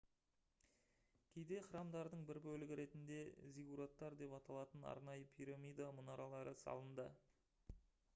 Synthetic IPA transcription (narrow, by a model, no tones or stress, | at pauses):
kʲʰejd̪e̞χəɾɑmd̪ɑɾd̪əɴbɪɾbɵlɪɡʲɪɾe̞t̪ɪnd̪e̞zʲiɡuɾot̪ːɑɾd̪e̞pɑt̪ɑlˠɑt̪ənɑ̰ɾnɑjəpʰiɾamʲijd̪amʊnɑɾɑlˠɑɾəsɑ̰lˠənd̪ə